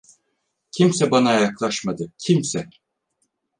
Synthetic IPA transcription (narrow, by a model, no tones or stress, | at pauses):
cʰimsɛbanajaklˠaʃmad̪ɯcʰimsɛ